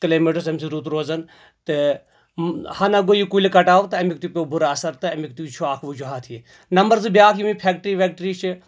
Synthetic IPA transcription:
kɐleːmeːʈɐs̬ɐmsiɾuːt̪ɾoːzɐn | t̪ɨ | hɐnɐɡoːjukulikɐʈaːʋt̪ɨɐmikt̪upʲebuɾaɐsɐɾt̪ɨɐmik̚t̪ut͡ʃʰuaːkʰʋud͡ʒuɦaːt̪ʰie | nɐmbɐɾzɨbjaːkʰjimipʰeːk̚ʈɾiːʋʲeːk̚ʈɾiːt͡ʃʰi

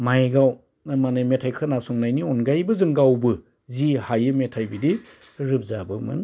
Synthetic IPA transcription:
majɡaw | nmanɯjmetʰajkʰɯnasɔŋnajniɔnɡajbɯzɯŋɡawbɯ | zihajɯmetʰajbidi | ɾɯp̚zabɯmɯ̰n

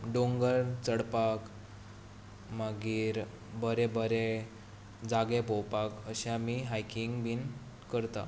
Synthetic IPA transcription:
ɖoŋɡəɾt͡səɽpak | maɡiːɾ | bəɾebəɾe | d͡zaɡẽpowpakəɕamiɦajkiŋɡbʱin | kəɾt̪a̰

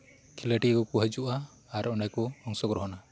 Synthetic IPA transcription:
kʰiləʈikɔkuɦad͡ʒuʔaː | ɾɔnajkɔɔŋsɔkɾɔɦɔna

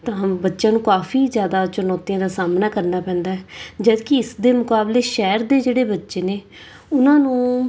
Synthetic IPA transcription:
t̪ãːbətːʃãːnũːkaːfʰiːzjaːd̪aːt͡ʃʊnɔːt̪ijãːd̪aːsaːmnaːkəɾnaːpɛ̃ːnd̪aːɦɛd͡ʒəd̪kɪɪsd̪eːmʊkaːbleːʃɛːɾd̪eːd͡ʒeːɽeːbətːʃeːneː | ʊnãːnũː

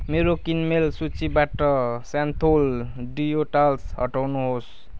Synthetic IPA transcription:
meɾokinmelsut͡sibaʈʌsant̪ʰolɖijoʈalsɦʌ̰ʈawnuɦos

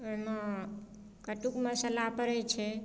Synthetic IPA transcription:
əmã | kəʈukmə̃səlapəɾɛt͡ʃʰe

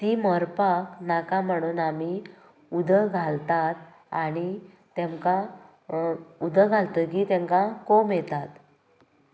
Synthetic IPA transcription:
t̪iːməɾpaknakãm̤əɽ̃uːnami | ud̪ʱəɡʱalt̪at̪̚ | aɽ̃i | t̪ẽŋka | ud̪ʱəɡʱalt̪əːkiːt̪ɛ̃ŋkakomet̪at̪

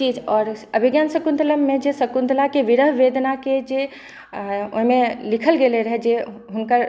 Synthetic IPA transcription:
t͡ʃid͡ʒɔɾəbʱiɡjansəkund̪ləmːed͡ʒesəkund̪lakeʋiɾəɦʋed̪naked͡ʒe | o̰ɦimelikʰəlɡeleɾəɦɛd͡ʒeɦunkəɾ

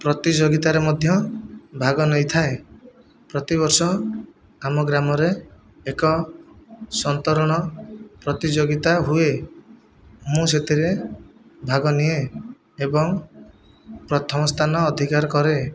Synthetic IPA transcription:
pɾɔt̪id͡ʒoɡit̪aɾemɔd̪ʱjɔbʱaɡɔnɔjt̪ʰae | pɾɔt̪iβɔɾsɔ | amɔɡɾamɔɾeː | kɔ | sɔnt̪ɔɾɔɽ̃ɔpɾɔt̪id͡ʒoɡit̪aɦue | mũset̪ʰiɾe | bʱaɡɔnie | ebɔŋ | pɾɔt̪ʰɔmɔst̪ʰanɔːd̪ʱikaɾɔkɔɾe

